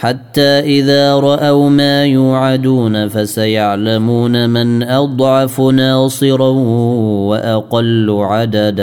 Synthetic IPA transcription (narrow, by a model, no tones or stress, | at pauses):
ħat̪ːaːʔɪðaːɾˤɑʔawmaːjuːʕad̪uːnafasajaʕlamuːnamɪnʔɑd̪ˤʕɑfnɑːsˤɨɾɑhwaʔɑqɑlːʕad̪ad̪